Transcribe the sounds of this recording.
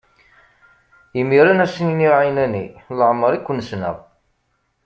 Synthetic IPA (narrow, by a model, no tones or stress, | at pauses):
imiɾænæsəniniʕajnæniləʕməɾˤikʷːənːsnə̰ʁˤ